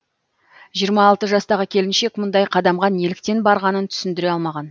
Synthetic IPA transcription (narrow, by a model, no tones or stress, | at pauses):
ʒijəɾmɑːlˠt̪əʒɑst̪ɑʁəkʲʰe̞lɪnʃe̞kmʊnd̪ɑjqʰɑd̪ɑmʁɑnelɪk̚t̪e̞nbɑɾʁɑnənt̪ʰʏ̥sɪnd̪ɪɾe̞ɑlˠmɑʁɑn